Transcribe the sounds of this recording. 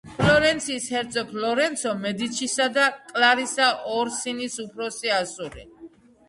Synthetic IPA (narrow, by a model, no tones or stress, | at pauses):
pʰlɔɾɛnt̪sʰiːshɛɾt̪sʰɔpʰlɔɾɛnt̪sʰɔmɛd̪it̪t͡ʃʰisad̪akʼlaɾisaʔɔɾsinisupʰɾɔsiasuɾḭ